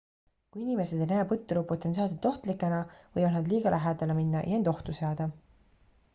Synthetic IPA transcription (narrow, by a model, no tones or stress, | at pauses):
kujinime̞sed̪enæːpɤt̪ːˑuɾupːot̪ːˑens̬iɑːlset̪o̞ht̪likːˑenɑvɤ̰jvɑd̪̚nɑd̪liːɡ̥ɑlʔæɦæːd̪ɑleminːɑʔjɑend̪o̞ht̪useɑːd̪̥ɑ